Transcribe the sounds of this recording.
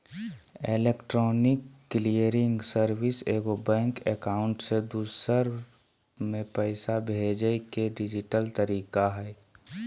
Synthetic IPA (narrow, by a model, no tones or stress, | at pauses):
elekʈɾɔːnɪkːlijəɾɪ̃ŋɡsəɾwɪseːɡobɛ̃ːŋkekaːʊɳʈsed̪uːsəɾ | mẽpəɪsabʱeːd͡ʒəkeɖɪd͡ʒɪʈəlt̪əɾiːkaɦɛː